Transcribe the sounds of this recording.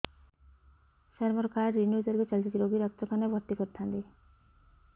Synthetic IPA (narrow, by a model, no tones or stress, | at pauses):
seɾmɔɾkaɾːinud͡ʒɔɾɡet͡ʃalt͡ʃit̪iɾoɡiɾɔkt̪ɔkʰanebʱɔɾt̪ikɔɾt̪ʰant̪i